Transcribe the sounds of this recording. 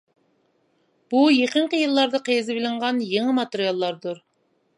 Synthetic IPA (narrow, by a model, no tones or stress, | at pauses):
b̥ujeqəɴqəjɨlˠːɑɾd̪ɑqʰejzɪbɪlɪɴʁɑnjeŋəmɑt̪ɪɾijɑlˠːɑɾd̪uɾ